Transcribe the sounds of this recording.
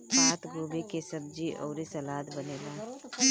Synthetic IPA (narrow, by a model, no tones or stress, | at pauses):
aːt̪ʰɡɾoːbekesɐb̚d͡ʒiʔɔ̰ːɾisɐlaːd̪bɐneːlaː